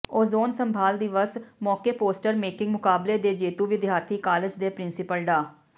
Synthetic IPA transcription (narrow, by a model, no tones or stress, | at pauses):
oːzoːnsəmbʱaːld̪iːʋəsmɔːkeːpoːsʈəɾmeːkɪ̃ŋɡmʊkaːbleːd̪eːd͡ʒeːt̪uːʋɪd̪ɪjaːɾt̪ʰiːkaːlɪd͡ʒd̪eːpɾɪnsɪpəlɖaː